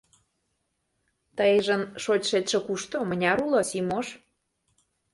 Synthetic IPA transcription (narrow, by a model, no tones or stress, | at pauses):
t̪əjʒə̆nʃotʲʃet̪ʃĕkuʃt̪omənʲɑɾulosimoʃ